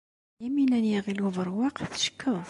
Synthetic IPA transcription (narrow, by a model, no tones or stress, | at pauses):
jæminænjiʁiluvəɾˤwɑqθʃə̥kːəðˤ